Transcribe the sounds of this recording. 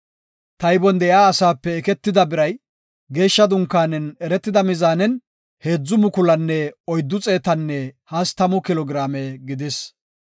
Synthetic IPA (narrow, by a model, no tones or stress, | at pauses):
t̪ɐjbɔnd̪ɛjaːɐsaːpːɛːkɛt̪ːɪd̪ɐbɪɾɐj | ɡe̞ːʃːɐd̪ʊŋkːaːnɛnɛɾɛt̪ːɪd̪ɐmɪzaːnɛn | he̞ːd͡zːʊmʊkʊlɐnːɛɔjd̪ːʊt͡sʼe̞ːt̪ɐnːɛhɐst̪ɐmʊkɪlɔɡɪɾaːmeɡɪd̪ɪs